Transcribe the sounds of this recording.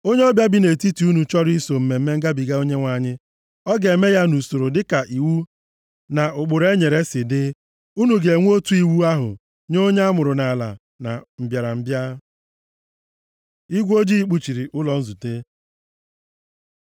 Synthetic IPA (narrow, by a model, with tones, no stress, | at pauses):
o˦ɲe˦ɔ˦bja˦bi˦ne˨ti˦ti˨u˦nu˨t͡ʃɔ˦ɾi˦so˨m̩˨me˨m̩˦me˦ŋ̩˦ɡa˦bi˨ɡa˦o˦ɲe˦ŋʷa˨˦˨ɲɪ˦ | ɔ˦ɡe˨e˨me˦ja˦nu˨so˨ɾo˨dɪ˦ka˨ʔi˨wu˦ | na˨ʊ˨k͡pʊ˨ɾe˦ɲe˨ɾe˦sɪ˨dɪ˦ | u˦nu˨ɡe˨ŋʷ˦o˦tu˦i˦wu˦a˦ɦʊ̰˨ | ɲo˦ɲe˦a˦mʊ˨ɾʊ˨na˨la̰˨ | na̰˨m̩˨bja˨ɾa˨m̩˦bja˦ | i˦ɡʷo˦d͡ʒi˦i˦k͡pu˦t͡ʃi˨ɾi˨ʔʊ˦lɔ˨n̩˦zu˨te˦